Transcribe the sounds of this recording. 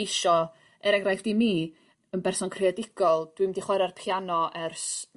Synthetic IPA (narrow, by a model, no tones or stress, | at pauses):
jʃɔ | ɛɾɛŋrajθd̥imiː | ənbɛrsɔnkʰrɪɛdɪɡ̥ɔlˠd̥wimdiχwɛɾarpʰjanɔʔɛrs